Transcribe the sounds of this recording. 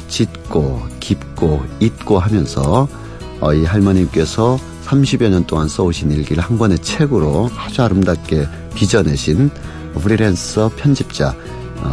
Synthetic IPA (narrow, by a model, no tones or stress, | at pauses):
t͡ɕit̚k͈okip̚k͈oit̚k͈oɦamjʌnsʰʌ | ʌiɦaɭmʌɲimk͈e̞sʰʌ | sʰamɕʰibjʌɲʌnt͈oŋans͈ʌoɕʰiniɭɡiɾɯɭhanbʌne̞t͡ɕʰe̞ɡɯɾohad͡ʑuaɾɯmdak͈e̞ | pid͡ʑʌne̞ɕʰin | pʰɯɾiɾensʌpʰjʌnd͡ʑip̚t͡ɕ͈a̰